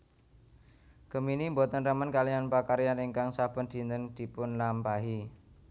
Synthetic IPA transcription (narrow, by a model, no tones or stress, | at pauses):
ɡ̥ə̤minimbot̪ənɾəmənkalianpakaɾijaniŋkaŋsab̥ə̤nd̪̥i̤nəŋd̪̥i̤pʊnlampaɦi